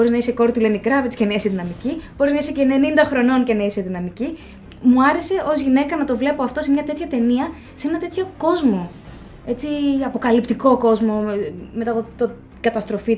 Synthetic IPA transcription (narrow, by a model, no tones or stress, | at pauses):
oɾiznɐiseko̞ɾt̪ulenikɾɐvet͡si̥cenɐiseðinɐmicib̥o̞ɾiznɐisecenenind̪ɐxɾo̞no̞nce̞nɐiseðinɐmici | muɐɾe̞se̞ʔo̞zʝine̞kɐnɐt̪o̞vle̞poɐft̪o̞semɲɐt̪e̞t̪çɐt̪e̞niɐ | se̞nɐt̪e̞t̪ço̞ko̞zmo̞ | e̞t͡siɐpo̞kɐlipt̪iko̞ko̞zmo̞me̞t̪ɐt̪o | kɐt̪ɐst̪ɾo̞fi